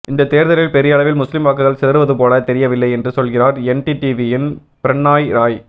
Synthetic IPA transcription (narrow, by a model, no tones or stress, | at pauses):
ʔɪnd̪ɐt̪ːeːɾðɐɾɪlpɛɾɪjɐɭɐʋɪlmʊslɪmʋaːkːɐɯɣɐɭsɛðɐɾɯʋɐðɯpoːlɐt̪ɛɾɪjɐʋɪlːɐɪɛndrɯsɔlɣɪraːɾɛnʈiʈiʋiɪn | pɪɾɐɳːaːjɾaːj